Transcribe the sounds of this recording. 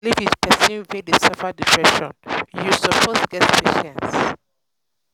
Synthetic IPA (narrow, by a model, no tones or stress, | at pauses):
lifitpʰɛsĩvẽdesɛfadipʰɹɛʃɔ̃njusɔpʰosɡɛtpʰeʃɛ̃ns